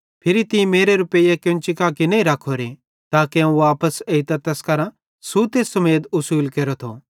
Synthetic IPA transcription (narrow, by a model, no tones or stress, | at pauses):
pʰɪɾit̪ɪĩmeːɾeɾʊpeijakjõnt͡ʃɪkaːkɪneiɾɐkʰoɾe | t̪aːkeãũʋaːpəseit̪ɐt̪ɛskɐɾã | sut̪eːsɐmeːd̪ʊsuːlkeːɾot̪ʰo